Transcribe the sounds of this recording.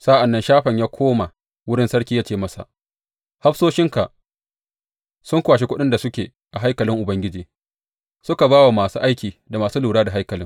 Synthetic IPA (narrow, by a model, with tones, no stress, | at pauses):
sa˦ʔa˨nːɐ˦nʃaː˦ɸɐ˨ɲjaː˦kʷʰoː˦ma˨ | wʊ˦ɽɪ˦nsɐ˦ɽkʲiː˦jaː˦t͡ʃeː˦˨mɐ˦sa̰˨ʔ | ha˦ɸsoː˦ʃɪ˦ŋka˨ʔ | sʊ˦ŋkʷaː˨ʃi˦kʷʊ˦ɗɪ˦nda˨sʊ˦kʲeː˨ | ʔa˨ɦa˦jkɐ˨lɪ˦ŋʔʊ˨bɐ˦ŋɡʲɪ˦d͡ʒiː˨ | sʊ˦ka˨baː˦wa˨maː˨suː˦ʔa˦jkʲiː˨da˨maː˨suː˦luː˨ɽaː˦da˨ɦa˦jkɐ˨lɪ˦ŋ